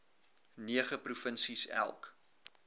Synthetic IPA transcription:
niəχəprufənsisæ̰lˠk

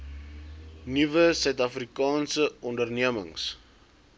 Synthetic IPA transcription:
nivəsœɥtɐfrikɑːnsəʔɔndərniəmə̰ŋs

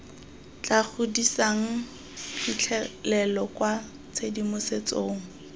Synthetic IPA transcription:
t͡ɬak͡xʰʊdisaŋ̩ | fit͡ɬʰɛlɛlɔkwa | t͡sʰedimʊset͡soːŋ̩

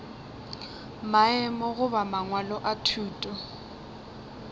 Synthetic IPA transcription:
maɛmɔɣʊβamaŋwalɔʔatʰuːtʼɔ

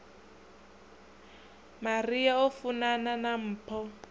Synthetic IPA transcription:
mariaofunananam̩ːpʰɔ

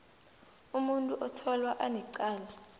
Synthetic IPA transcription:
umuntʼuʔɔtʰɔlwaʔaniǀaːla

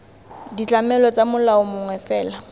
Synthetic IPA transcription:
dit͡ɬamɛlɔt͡samʊlaʊmʊŋwɛfɛːla

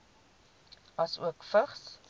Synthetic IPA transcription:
ɐsṵəkfəχs

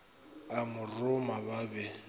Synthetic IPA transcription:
amʊrʊmaβabɛ

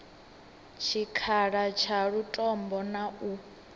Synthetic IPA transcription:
t͡ʃʰikʰaɺat͡ʃʰaɺutʼɔmbɔnaʔu

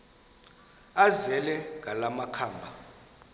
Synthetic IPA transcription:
azɛlɛŋʱalamakʰaːmbʱa

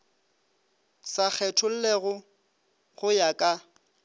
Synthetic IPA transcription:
sak͡xʰɛtʰʊl̩leɣʊ | ɣʊjakʼa

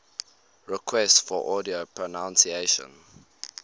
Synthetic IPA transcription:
ɹɛkʰwɛstfɔʔɔdiopʰɹɔnãʊ̃nsieʃə̰̃n

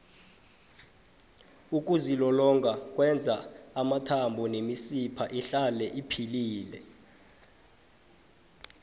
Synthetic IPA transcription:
uk̬ʼuzilɔlɔŋɡʱak̬ʼwɛnd͡zʱaːmatʰambʱɔnemisipʰaʔiɬalɛʔipʰiliːlɛ

